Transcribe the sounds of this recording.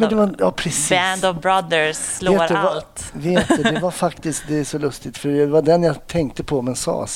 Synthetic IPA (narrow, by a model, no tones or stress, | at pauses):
mɛnd̪ɛvajɑːpʰɾɛsiːænd̪ɔvbɾad̪əsleːd̪aalt̪veːt̪d̪ɛd̪ɛvaɾfakt̪ɪsk̚d̪ɛæʂɔlɵst̪ɪt̪fœɾɛvaɖɛnjat̪ʰɛŋkt̪əpʰɔmɛnsɑ̰ː